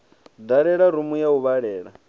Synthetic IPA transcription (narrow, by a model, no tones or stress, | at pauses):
daɺɛɺaɾumujauβaɺɛːɺa